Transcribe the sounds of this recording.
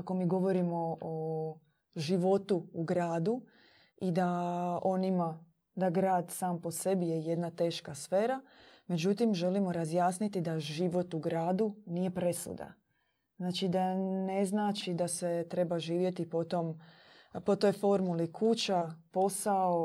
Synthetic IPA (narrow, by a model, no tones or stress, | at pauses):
ako̞miːɡo̞ʋo̞ɾimo̞o | ʒiʋo̞t̪uːɡɾaːd̪u | id̪ao̞nima | d̪aɡɾaːd̪saːmpo̞se̞bijeje̞d̪nat̪e̞ːʃkasfeːɾame̞d͡ʒut̪imʒe̞limo̞ɾazjaːsnit̪id̪aʒiʋo̞t̪uɡɾaːd̪uniːje̞pɾe̞sṵd̪a̰ | znaːt͡ʃid̪ane̞znaːt͡ʃid̪ase̞t̪ɾe̞baʒiːʋje̞t̪ipo̞t̪o̞m | po̞t̪ojfo̞ɾmulikʰut͡ɕapo̞sao